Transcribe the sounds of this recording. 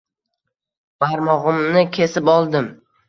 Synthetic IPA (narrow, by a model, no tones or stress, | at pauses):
b̥aɾmɒʁɨmnɪkʲʰe̞sɪpɒlˠd̪ɪm